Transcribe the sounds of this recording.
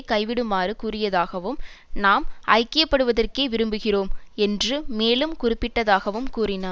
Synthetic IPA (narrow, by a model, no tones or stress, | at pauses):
kɐɪʋɪɽɯmaːɾɯkuːrɪjɐðaːɣɐʋɯmnaːmʔɐ̰ɪkːɪjɐpːɐɽɯʋɐðɐrkeːʋɪɾɯmbɯɣɪroːmɛndrɯmeːlɯmkʊrɪpːɪʈːɐðaːɣɐʋɯmkuːrɪna